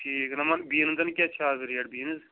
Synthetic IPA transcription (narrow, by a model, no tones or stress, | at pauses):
ʈʰiːknɐmɐnbiːnɨnd̪ɐnkʲat͡ʃʰaːzɾijɐɽbiːnɨz